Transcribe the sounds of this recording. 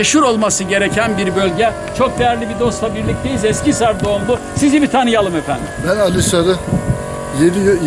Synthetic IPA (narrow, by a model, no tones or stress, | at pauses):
eʃhuɾo̞lˠmasɯɟe̞ɾecʰænbiɾbølʲɟɛ | t͡ʃʰo̞k̚d̪e̞jæɾlʲibid̪o̞st̪ˠabiɾlʲic̚t̪ʰe̞jizɛscisaɾd̪o̞ːmb̪ˠu | sizibit̪ʰanɯjalˠɯmefænd̪imbænalʲˠɯsaɾɯ | jed̪ij